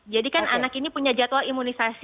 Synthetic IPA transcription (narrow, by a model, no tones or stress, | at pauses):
d͡ʒadikananakinipuɲad͡ʒat̪oaimunisas